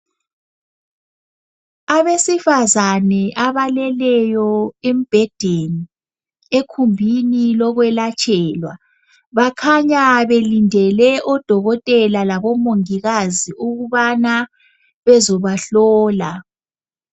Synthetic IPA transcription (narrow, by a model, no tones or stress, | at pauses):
aβesifazanɛʔaβalɛlɛjɔem̩b̥ʱɛd̥ʱeni | ekʰumbʱinilɔɣwɛlat͡ʃʰʼɛːlwa | βakʰaɲaβelindʱɛlɛʔɔd̥ʱɔɣɔtʼɛlalaβɔmoŋiɣaziʔuɣuβana | βɛzɔβaɬɔːla